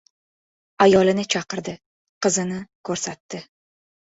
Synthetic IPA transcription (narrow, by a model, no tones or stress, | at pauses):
ajɒlɪnɪt͡ʃʰɑqɨɾd̪ɪ | qɨzɪnɪkʰɵɾsat̪ːɪ